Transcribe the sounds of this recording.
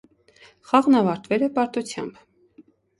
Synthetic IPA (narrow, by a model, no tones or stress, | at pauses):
χɑʁnɑvɑɾt̪vɛlɛpɑɾt̪ut͡sʰjɑ̰mb